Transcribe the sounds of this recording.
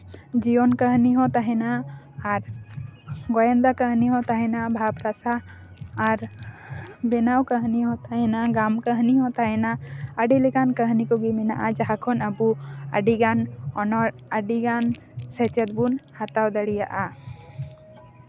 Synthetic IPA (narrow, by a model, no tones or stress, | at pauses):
d͡ʒijɔnkəɦniɦɔ̃t̪aɦɛnaː | ɾ | ɡɔjɛnd̪akəɦniɦɔ̃t̪aɦɛnabʱapɾasaː | ɾ | bɛnawkəɦniɦɔ̃t̪aɦɛnaɡamkəɦniɦɔ̃t̪aɦɛnaəɖilɛkankəɦnikɔɡimɛnaʔad͡ʒaɦakʰɔnəbuə̰ɖiɡanɔnɔɽəɖiɡan | sɛt͡ʃɛt̪̚bunhat̪awd̪əɽija̰ʔa